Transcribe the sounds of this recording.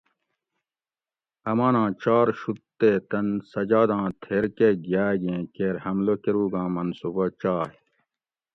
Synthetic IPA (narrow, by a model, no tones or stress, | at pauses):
ɐmaːnãːt͡ɕaːɾɕut̪ːeːt̪ɐnsɐd͡ʑaːd̪ãːt̪ʰeːɾkeɡjaːɡẽːkeːɾhɐmlokeɾuːɡãːmɐnsubɐt͡ɕaːh